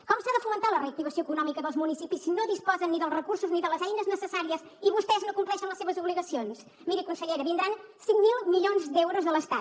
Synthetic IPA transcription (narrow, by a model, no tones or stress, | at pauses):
kɔmsaðəfumənt̪aləreək̚t̪iβəsioəkunɔmikəðəlˠzmunisipisinoðispɔzənːiðəlˠzrəkuɾsuzniðələzɛjnəznəsəsaɾiəz | iβust̪ɛznokumplɛʃənləseβəzuβliɣəsions | miɾikunsəʎeɾəβind̪ɾansiŋmilˠmiʎonzd̪ɛwɾuzðəlˠəst̪at̪